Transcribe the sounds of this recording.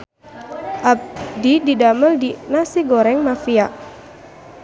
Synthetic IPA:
ʔab̚dididaməldinasiɡoɾɛŋmafia

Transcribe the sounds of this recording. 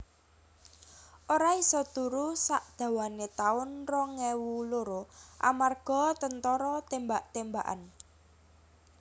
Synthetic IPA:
ʔoɾaisɔt̪uɾusaʔd̪̥ä̤wanet̪aʊnrɔŋɛwuloɾoʔa̰marɡ̥ɔ̤t̪ənt̪ɔɾɔt̪embaʔt̪embaʔa̰n

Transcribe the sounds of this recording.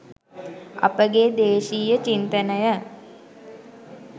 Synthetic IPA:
a̰pəɡed̪eːʃiːjət͡ʃint̪ənəjə

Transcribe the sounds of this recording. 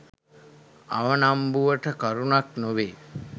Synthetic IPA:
a̰ʋənambuʋəʈəkəɾunaknoʋeː

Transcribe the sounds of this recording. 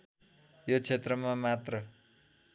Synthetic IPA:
jot͡sʰet̪rʌmamat̪rʌ

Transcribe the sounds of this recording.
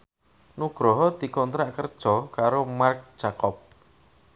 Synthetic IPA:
nuɡ̥ɾɔɦɔd̪̥i̤kɔnt̪ɾaʔkərd̥ʒ̥ɔkaɾomark̚d̥ʒ̥akɔp̚

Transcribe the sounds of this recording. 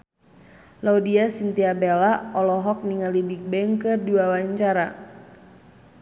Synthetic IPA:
laudiasint̪iabelaɔlɔɦɔk̚niŋalibik̚bɛŋkɨrdiwawaɲt͡ʃaɾa

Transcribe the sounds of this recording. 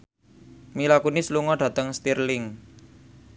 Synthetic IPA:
milakunisluŋɔɖ̥ä̤t̪əŋst̪irlɪŋ

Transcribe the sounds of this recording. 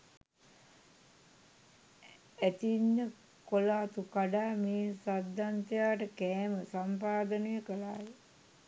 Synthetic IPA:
æt̪inːə | kolaːt̪ukaɖaːmeːsad̪ʱːant̪əjaːʈəkɛːməsampaːd̪ənəjəkəlaːje

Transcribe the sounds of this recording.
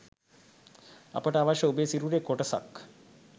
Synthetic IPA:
a̰pəʈəaʋaʃəubesiɾuɾekoʈəsa̰k

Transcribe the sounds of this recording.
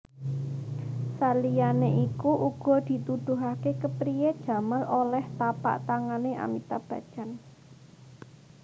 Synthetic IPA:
salijaneʔikuʔuɡ̥ɔ̤d̪̥i̤t̪ud̪̥ṳɦakekəpɾijed̥ʒ̥ä̤malolɛht̪apa̰ʔt̪aŋaneʔa̰mit̪ab̥ä̤d̥ʒ̥a̤n

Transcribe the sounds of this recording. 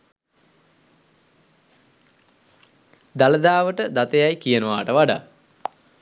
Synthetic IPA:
d̪aləd̪aːʋəʈəd̪at̪ejajkijənəʋaːʈəʋaɖa̰

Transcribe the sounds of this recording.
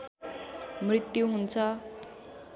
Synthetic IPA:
mrit̪juɦunt͡sʰʌ

